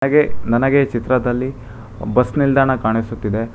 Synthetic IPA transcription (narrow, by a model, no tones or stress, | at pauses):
ɐɡenɐnɐɡe̞t͡ʃit̪ɾɐd̪ɐlːi | bɐsnild̪ʱaːɳɐkaːɳisut̪ːid̪e̞